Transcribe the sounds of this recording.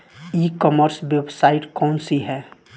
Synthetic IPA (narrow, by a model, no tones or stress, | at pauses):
iːkɔməɾswebsaːɪʈkɔːnsiɦɛː